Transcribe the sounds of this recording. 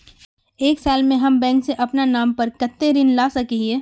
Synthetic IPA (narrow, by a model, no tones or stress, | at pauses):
eːksaːlmẽɦɐmbɛ̃ːŋkseʔɐpnanaːmpɐɾkɐt̪ːeɾɪnlaːsɐkiɦeː